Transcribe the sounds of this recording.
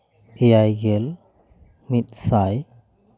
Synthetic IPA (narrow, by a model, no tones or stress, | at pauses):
ejajɡel | mit̪̚saj